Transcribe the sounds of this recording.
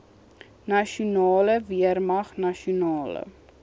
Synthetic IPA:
nɐʃunɑːləviərmɐχnɐʃiunɑːlə̰

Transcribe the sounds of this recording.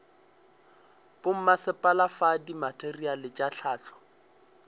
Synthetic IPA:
pʊm̩masɪpʼalafadimatʼerialɪt͡ʃʼaɬʰaːt͡ɬʰɔ̥

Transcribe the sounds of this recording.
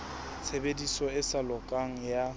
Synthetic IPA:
t͡sʰebedisɔɪsalɔkʼaŋ̩ja

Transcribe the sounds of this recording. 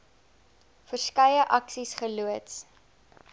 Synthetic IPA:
fərskɐjəʔɐksisχəluəts

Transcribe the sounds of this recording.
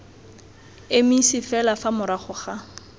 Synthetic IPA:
emisɪfɛlafamʊɾaχʊχa

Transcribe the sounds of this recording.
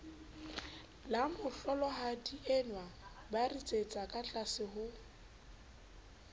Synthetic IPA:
lamʊɬɔlɔɦadiʔɛnwa | barit͡sʼet͡sʼakʼat͡ɬʼasɪɦʊ

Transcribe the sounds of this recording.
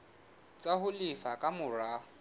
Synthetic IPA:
t͡sʼaɦʊlɪfakʼamʊra

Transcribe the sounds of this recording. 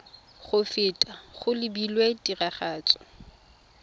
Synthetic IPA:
χʊfɪtʼaχʊlɪbilwetʼiraχaːt͡sʼɔ̥

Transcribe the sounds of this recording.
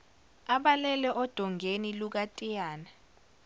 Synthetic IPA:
aɓalɛlɛʔɔd̥ʱɔŋʱeniluk̬atʼijaːna

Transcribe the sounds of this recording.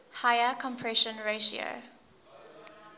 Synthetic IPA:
haɪəkʰɔ̃mpʰɹɛʃə̃nɹeʃio̰

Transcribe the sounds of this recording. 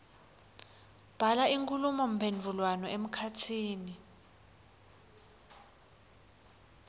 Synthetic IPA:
b̥ʱalaiŋkʼulumɔm̩pʰend͡vʱulwanɔem̩kʰatʰiːni

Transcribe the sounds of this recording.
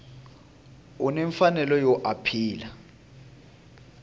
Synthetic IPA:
unɛɱfanɛlɔjɔʔapʰiːla

